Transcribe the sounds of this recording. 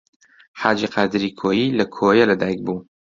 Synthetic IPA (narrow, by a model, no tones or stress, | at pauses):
ħaːd͡ʒiqʰaːd̪ɨɾiːkʰoːjiːlɐkʰoːjɐlɐd̪aːjk̚buː